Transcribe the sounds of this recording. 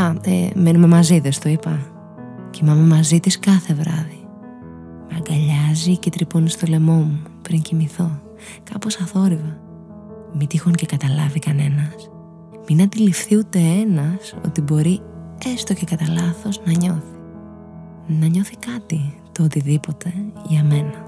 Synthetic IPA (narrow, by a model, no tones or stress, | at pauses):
ɐḛme̞nume̞mɐziðest̪oipɐ | cimɐme̞mɐzit̪iskɐθe̞vɾɐði | meɐŋɡɐʎɐzicet̪ɾiponist̪o̞le̞mo̞mupɾiɲcimiθo̞ | kɐpo̞sɐθo̞ɾivɐ | mit̪ixoŋcekɐt̪ɐlɐvikɐne̞nɐs | minɐt̪ilifθiut̪e̞e̞nɐso̞̰t̪ibo̞ɾie̞st̪oce̞kɐt̪ɐlɐθo̞znɐɲo̞θi̥ | nɐɲo̞θikɐt̪it̪oot̪iðipo̞t̪e̞ʝɐme̞nɐ